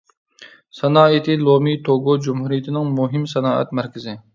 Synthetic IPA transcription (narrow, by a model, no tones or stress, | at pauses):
sɛnɑːit̪ʰɪlˠomit̪ʰoɡod͡ʒumhuɾijɪt̪ʰɪnɪŋmuɦɪmsɛnɑːɛ̰t̪̚mæɾkʲɪzɪ